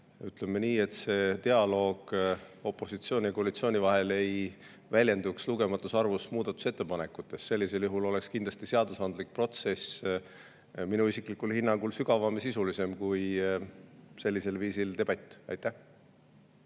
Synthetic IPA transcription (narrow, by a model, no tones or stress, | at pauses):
yt̪ˑlemːeniːe̞t̪se̞t̪e̞ɑlo̞ːɡ̥ | o̞pˑːo̞sit̪sio̞ːnʲiɑkoɑlit̪sio̞ːnʲivɑɦe̞le̞j | vælʲje̞nd̪uksluɡ̥e̞mɑt̪ːˑusɑrvusmuːd̪̥ɑt̪ːˑu̥se̞t̪ːe̞pɑne̞kːˑut̪ːˑe̞sːe̞lːise̞ljuɦulo̞le̞kskind̪lɑst̪iseɑd̪usɑnd̪lik̚pro̞t̪se̞s | minuisiklikːulhinːɑŋɡ̥ulsyɡɑvɑmesisulise̞mkuj | se̞lːise̞lviːsilt̪e̞bɑt̪ʲːˑɑ̰jt̪ːˑæh